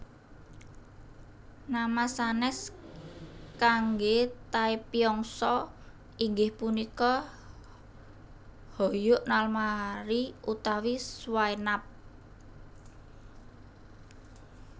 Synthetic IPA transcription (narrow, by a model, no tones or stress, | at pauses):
namasanɛs | kaŋɡet̪aipiɔŋsɔ | iŋɡɪhpunikɔ | hojʊʔnalmaɾiut̪awiswajnap̚